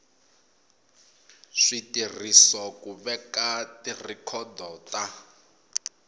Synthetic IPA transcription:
ʂitir̤isɔkuβɛkatirikʰɔdɔta

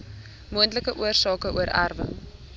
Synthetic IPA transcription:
muəntləkəʔuərsɑːkəʔuəɾʔa̰rvə̰

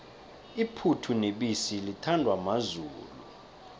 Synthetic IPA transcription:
ipʰutʰuneɓisilitʰandʱwamazuːlṵ

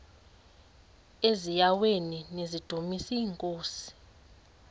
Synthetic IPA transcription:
ezijaweninezid̥ʱomisiːŋkʼoːsi̥

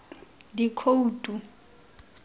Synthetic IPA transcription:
dikʰouːtʼu

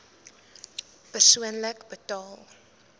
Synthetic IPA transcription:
b̥əswənlɛkbətɔl

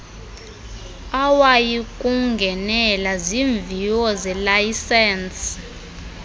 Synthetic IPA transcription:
awajikʼuŋɡʱɛnɛlaziɱviwɔzɛlajisɛns

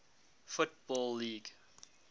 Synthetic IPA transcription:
fʊt̚bɔlːiːɡ

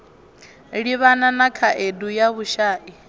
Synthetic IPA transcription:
ɺiβananakʰaʔedujaβuʃaːʔi

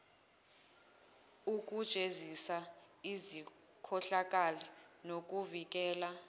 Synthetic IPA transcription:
uk̬ʼud̥ʒ̥ʼʱezisa | izi | kʰɔɬak̬ʼalinok̬ʼuvik̬ʼɛːla

